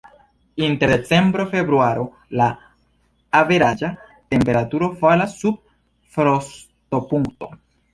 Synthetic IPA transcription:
inte̞ɾdet͡se̞mbɾo̞fe̞bɾuaɾo̞ | laː | veɾad͡ʒa | te̞mpe̞ɾatuɾo̞falasːub̚ | fɾos | to̞puŋkto̞

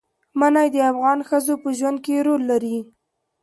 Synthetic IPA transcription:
manajd̪əafɣɑnxəzopəʒwand̪̚keɾolːaɾi

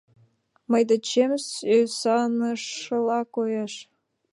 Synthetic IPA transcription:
məjd̪ɑt͡ɕemsøsɑnəʃəlˠɑkojɑʃ

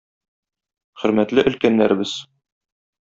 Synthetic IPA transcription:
χɵ̆ɾmæt̪lɘʔɵ̆lkænːæɾɘ̆bɘz

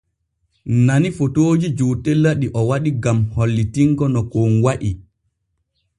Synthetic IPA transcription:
nanifotoːd͡ʒid͡ʒutɛlːaɗiʔɔwaɗiɡamholːitiŋkɔnɔkonwaʔi

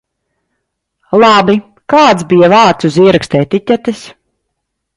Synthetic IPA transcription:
lˠabi | kaːt̪sbijavaːɾt̪suziɛɾɛkst̪ɛːt̪it̪ʲat̪is

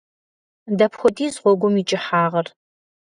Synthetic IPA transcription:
dɐpxʷɔdiːzʁʷɔɡʷʊmit͡ʃʼɪħaːʁɐr

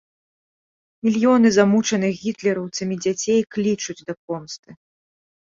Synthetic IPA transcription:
mʲilʲjɔnɨzamut͡ʂɐnɨxɣʲit̪lʲɛɾɐwt̪sɐmʲid͡zʲat͡sʲejklʲit͡ʂud͡zʲd̪ɐp̚ɔmst̪ɨ

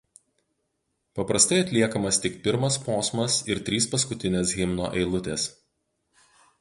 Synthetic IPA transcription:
pɐpɾɐst̪ɐɪɐt̪ʲlʲiɛkɐmɐst̪ʲɪkpʲɪɾmɐspoːsmɐsɪɾt̪ʲɾʲiːspɐs̬kʊt̪ʲɪnʲeːsɣʲɪmno̰ːʔɛɪlˠʊt̪ʲeːs

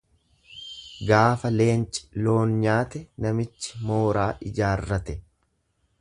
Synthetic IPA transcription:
ɡaːfɐle̞ːnt͡ʃʼɪ̥lo̞ːnɲaːt̪ɛnɐmɪt͡ʃːɪ̥mo̞ːɾaːʔɪd͡ʒaːrːɐt̪ɛ

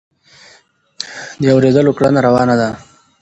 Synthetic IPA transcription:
d̪əawɾed̪əlokɽanaɾawɑnad̪a

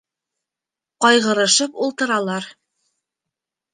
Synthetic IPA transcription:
qɑjʁɤ̆ɾɤ̆ʃɤpulˠt̪ɤ̆ɾɑlˠɑɾ

